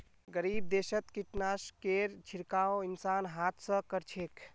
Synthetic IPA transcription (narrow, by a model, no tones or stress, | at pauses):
ɡəɾib̚d̪esət̪kiʈnaskeɾt͡ʃʰiɾkaoinsanɦat̪ʰsə̃kəɾt͡ʃʰek